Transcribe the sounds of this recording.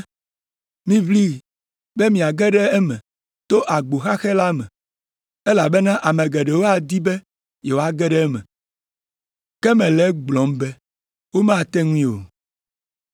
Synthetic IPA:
mĩ˦vli˦ | bɛ˦mĩ˨a˨ɡɛ˦ɖɛ˦ɛ˦mɛ̃˨ | t̪o˦ʔa˨ɡ͡bo˨xa˦xɛ˦la˦mɛ̰̃˨ | ɛ˦la˨bɛ˦nã˦ʔa˨mẽ˨ɡɛ˨ɖɛ˨wo˦a˨d̪i˦bɛ˦ | je˨wo˨˦a˨ɡɛ˦ɖɛ˦mɛ̰̃˨ | kɛ˦mɛ̃˨lɛ˨˦ɡ͡blɔ̃˨m˦bɛ˦ | wo˦mã˦˨t̪ɛ˦ŋũ˦ĩ˦o̰˨

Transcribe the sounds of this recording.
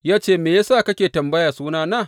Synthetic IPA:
jaː˦t͡ʃeː˦˨meː˨ja˦saː˦˨kɐ˦kʲeː˨tɐ˨mbɐ˦jaː˨suː˦naː˦naː˦˨

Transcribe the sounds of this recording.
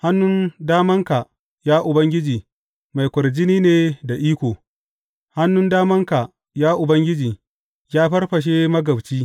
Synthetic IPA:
ha˦nːʊ˦ndaː˦mɐ˦ŋka˨ | jaː˦ʔʊ˨bɐ˦ŋɡʲɪ˦d͡ʒiː˨ | ma˨jkʷʊ˨ɾd͡ʒɪ˦niː˦neː˨da˨ʔiː˦kʷoː˨ | ha˦nːʊ˦ndaː˦mɐ˦ŋka˨ | jaː˦ʔʊ˨bɐ˦ŋɡʲɪ˦d͡ʒiː˨ | jaː˦ɸɐ˦rɸɐ˨ʃ̬e˦mɐ˦ɡɐ˨wt͡ʃiː˦

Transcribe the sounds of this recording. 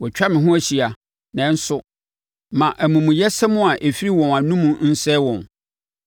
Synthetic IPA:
wɔ˨t͡ɕᶣa˦mɪ̃˨ɦʊ̃˦æ˨ɕi˨a˨ | nɛ̃˨˦n̩˦sʊ˦ | mã˨ʔæ˨mũ˨mũ˨jɛ˦sɛ˦mʊ̃˦a˨ʔe˨fi˦ɾi˦wɔ̃˨na˨nũ˦mũ˦n̩˦sɛ˦wɔ̃˨n

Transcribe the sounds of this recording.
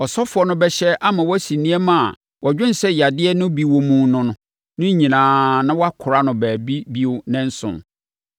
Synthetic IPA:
ɔ˨sɔ˦fʊ˨ɔ˦nʊ̃˦bɛ˦ɕɛ˦ʔa˦mã˨wɔ˦æ˦si˨nĩ˦ɛ˦mã˦˨a̰˨ | wʔɔ˨d͡ʑᶣʊ̃˦n˨sɛ˦ja˨dɪ˦ɛ˦nʊ̃˦bi˦wɔ˦mũ˦nʊ̃˦nʊ̃˦ | nʊ̃˦ɲĩ˨nãː˨nã˦wɔ˦a˦kʰʊ˨ɾa˦nʊ̃˨bæː˨bi˦bi˦wʊ˦nɛ̃˦n̩˦sʊ̰̃˨n

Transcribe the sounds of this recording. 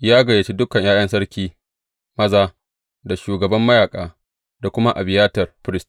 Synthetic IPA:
jaː˦ɡɐ˨jaː˨t͡ʃi˦dʊ˦kɐ˨ɲjaː˦jɐ˦nsɐ˦ɽkʲiː˦ | mɐ˦zaː˦ | da˨ʃuː˨ɡɐ˨bɐ˦mːɐ˦jaː˨kʼaː˨ | da˨kʷʊ˦ma˦ʔa˨bɪ˨jaː˦tɐ˨rɸɪ˦ɾɪ˦st

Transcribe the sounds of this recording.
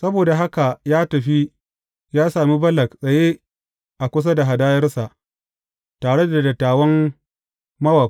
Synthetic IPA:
sɐ˦boː˨da˨ɦa˦ka˨jaː˦tɐ˨ɸi˦ | jaː˦saː˨mi˦bɐ˦lɐ˨ksʼɐ˨je˦ | ʔa˨kʷʊ˦s̬a˦da˨ɦa˨daː˦jɐ˦rsa˨ʔ | taː˨ɽe˦da˨dɐ˨tːaː˨wɐ˦m | mɐ˦wɐ˨

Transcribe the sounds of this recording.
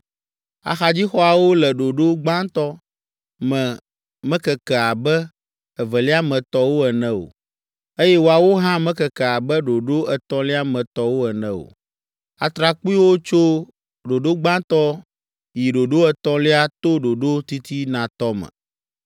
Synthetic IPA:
a̰˨xa˨d͡ʑi˦xɔ˦a˨wo˦lɛ˨ɖo˨ɖo˦ɡ͡bã˦t̪ɔ˦ | mɛ̃˨ | mɛ̃˦kɛ˨kɛ˨a˨bɛ˦ | ɛ˨vɛ˨li˦a˦mɛ̃˨t̪ɔ˦wo˦ɛ˨nɛ̃˦o̰˨ | e˦jɛ˦wo˨a˨wo˦ɦã˦mɛ̃˦kɛ˨kɛ˨a˨bɛ˦ɖo˨ɖo˦ɛ˨t̪ɔ̃˦li˦a˦mɛ̃˨t̪ɔ˦wo˦ɛ˨nɛ̃˦o̰˨ | a̰˨t̪ɾa˨k͡pu˦i˦wo˦t͡ʃo˦ | ɖo˨ɖo˦ɡ͡bã˦t̪ɔ˦ | ji˨ɖo˨ɖo˦ɛ˨t̪ɔ̃˦li˦a˦t̪o˦ɖo˨ɖo˦t̪i˦t̪i˦nã˨t̪ɔ˦mɛ̰̃˨

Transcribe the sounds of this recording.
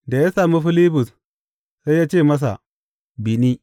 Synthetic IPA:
da˨ja˦sa˨mu˦fi˦li˦bu˨s | sa˦ja˦t͡ʃeː˦˨ma˦s̬a̰˨ | bi˨ni˦

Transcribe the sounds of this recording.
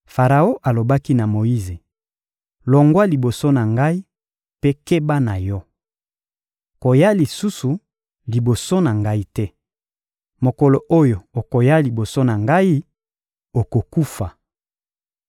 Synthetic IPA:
fa˨ʁa˨o˦ʔa˨lo˨ba˦ki˦na˨mo˨i˦ze˨ | lɔ˨ŋɡwa˦li˨bo˨so˦na˨ŋɡa˦i˦ | pe˦ke˦ba˦na˨jɔ˦ | ko˨ja˦li˨su˦su˨ | li˨bo˨so˦na˨ŋɡa˦i˦tɛ˦ | mo˨ko˨lo˨ʔo˦jo˨o˨ko˨ja˦li˨bo˨so˦na˨ŋɡa˦i˦ | o˨ko˨ku˦fa˨

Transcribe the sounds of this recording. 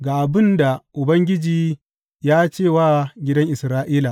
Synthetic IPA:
ɡaː˨ʔa˨bɪ˦nda˨ʔʊ˨bɐ˦ŋɡʲɪ˦d͡ʒiː˨˦ | jaː˦t͡ʃeː˦˨waː˦ɡʲɪ˦dɐ˦ŋʔɪ˨sɾaː˦ʔiː˦la˨

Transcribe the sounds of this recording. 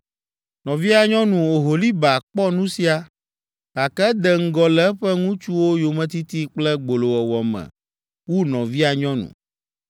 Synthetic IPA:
nɔ̃˨vi˦a˨ɲɔ̃˦nũ˨o˨ɦo˨li˦ba˨k͡pɔ˦nũ˦si˦a˨ | ka˨kɛ˦d̪ɛ˨ŋ̩˦ɡɔ˦lɛ˦ɸɛ˦ŋũ˦t͡ʃu˦wo˦jo˨mɛ̃˦t̪i˦t̪i˦k͡plɛ˦ɡ͡bo˨lo˨wɛ˨wɔ˨mɛ̰̃˨ | wu˦nɔ̰̃˨vi˦a˨ɲɔ̃˦nṵ̃˨

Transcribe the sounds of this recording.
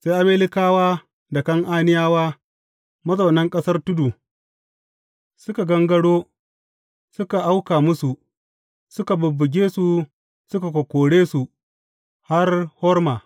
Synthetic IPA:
se˦jʔa˦meː˦lɪ˦kaː˦waː˦ | dɐ˨kɐ˦ŋʔaː˦nɪ˦jaː˦waː˦ | mɐ˦zɐ˨wnɐ˦ŋkʼɐ˦sɐ˦rtʊ˦du˨ | sʊ˦ka˨ɡɐ˦ŋɡɐ˦ɽoː˦ | sʊ˦ka˨ʔa˦wkaː˨mʊ˦su˨ | sʊ˦ka˨bʊ˨bːʊ˨ɡʲeː˦su˨ | sʊ˦ka˨kʷɔ˨kʷoː˨ɽeː˦su˨ | ha˦rhɔ˦rmaː˨

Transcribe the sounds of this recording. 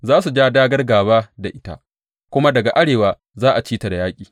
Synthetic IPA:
zaː˦su˨d͡ʒaː˦daː˦ɡɐ˦rɡaː˨βaː˦da˨ʔɪ˦ta̰˦ʔ | kʷʊ˦ma˦dɐ˨ɡa˨ʔa˦ɽeː˨waː˨ | zaː˦ʔa˨t͡ʃiː˦ta˨da˨jaː˦kʲʼiː˨

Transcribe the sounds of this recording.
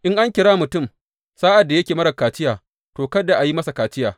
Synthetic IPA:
ʔɪ˦ŋʔa˦ŋkʲɪ˨ɽaː˦mʊ˨tʊ˦m | saː˦ʔa˨dːa˨jɐ˦kʲeː˨mɐ˦ɽɐ˨kaː˨t͡ʃɪ˦jaː˨ | toː˨kɐ˦da˨ʔa˨ji˦mɐ˦sa˨kaː˨t͡ʃɪ˦jaː˨

